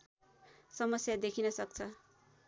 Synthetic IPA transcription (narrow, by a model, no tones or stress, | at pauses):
sʌmʌsjad̪ekʰinʌsʌk̚t͡sʰʌ